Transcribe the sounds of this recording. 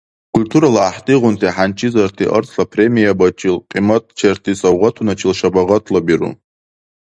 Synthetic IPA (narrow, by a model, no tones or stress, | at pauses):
kʰulʲtʰuɾalaːħtʼiʁʷʊntʰiħant͡ʃʰʼizartʰiʔə̰rt͡sʰʼɬapʰre̞mijabat͡ʃʼilqʼimat̚ʼt͡ʃʰertʰisawʁʷatʰunat͡ʃʰilʃabaʁatʰlabiɾṵ